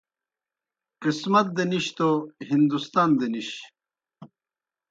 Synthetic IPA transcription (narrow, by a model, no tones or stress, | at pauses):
qismɐt̪̚d̪eniɕt̪oɦind̪ust̪aːnd̪eniɕ